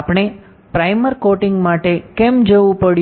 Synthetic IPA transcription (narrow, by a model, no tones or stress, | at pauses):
pɳ̃e | pɾajməɾkoʈɪ̃ŋɡmaʈekemd͡ʒəʋũpəɽ